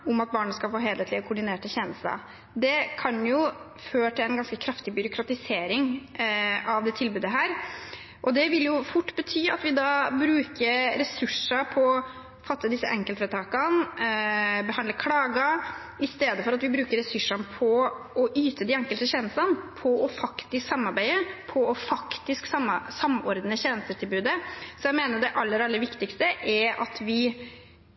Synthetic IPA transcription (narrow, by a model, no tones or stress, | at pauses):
ʊmɑt̪̚bɑːɳəskɑlfoːɦeːlət̪lɪəkʰʊɖɪneːʈəçɛːnəsɑ̰ | d̪ɛkʰɑnjʊ | føːʈʰɪlɛnɡɑnskəkʰɾɑft̪ɪbʏɾʊkʰɾɑt̪ɪseːɾɪŋ | ʔɑʋd̪ɛt̪ʰɪlbʉːd̪əɦæːɾ | ʔɔd̪ɛʋɪljʊfʊʈːbət̪ʰyːɑt̪ʋɪd̪ɑːbɾʉːkəɾɾɛsʉʂəpʰɔ | fɑt̪ːəd̪ɪsːəʔɛŋkəlt̪fɾət̪ʰɑːkɑn | bəhɑnd̪əkʰlɑːɡɑ | ɪst̪eːd̪əfɔɾɑt̪ʋɪbɾʉːkəɾɛsʉʂɑnpʰɔɔʔyːt̪ʰəd̪iɛŋkəlt̪əçeːnəst̪ɑnpʰɔɔfɑkt̪ɪsksɑmːɑɾbæɪəpʰɔɔfɑkt̪ɪsksɑmsɑmːɔɾd̪nəçeːnəst̪ət̪ʰɪlbʉːd̪əsɔjæɪmeːnəɖ̪ɛʔɑlːəɾɑlːəɾʋɪkt̪ɪkst̪əʔɛɾɑ̰t̪ʰʋɪ